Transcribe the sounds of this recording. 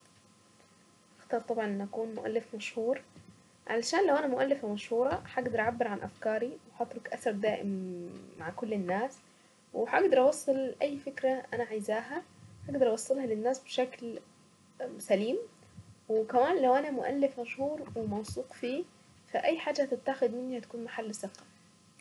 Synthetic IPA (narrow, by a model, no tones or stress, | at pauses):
ʔɑxt̪ˤɑːɾˤt̪ˤɑbʕɑnʔenʔækuːnmʊ̰ʔæ̰lːɪfmæʃhuːɾ | ʕa̰læʃaːnlæwʔænæmʊʔælːɪfmæʃhuːɾˤɑħaɡd̪ɑɾˤʔʕabːɪɾʕanʔæ̰fkɑːɾiwħɑt̪ɾokʔæθɑɾˤd̪aːʔɪ̰mːaʕkolːɪnːaːs | weħæʔɑɡd̪ɑɾˤʔɑwɑsˤːɨlʔæjːfɪkɾæʔænæʕajzaːɦæħaɡd̪ɑɾˤʔɑwɑsˤːɑlhɑlɪnːaːsbeʃækl | sæliːm | wekæmaːnlæwʔænæmʊʔæ̰lːɪfmæʃhuːɾˤwemɑwsˤuːqfiː | fæʔæjːħaːd͡ʒːæt̪ɪt̪ːaxed̪mɪnːihæt̪ḁkuːnmaħalːsɑqːɑ̥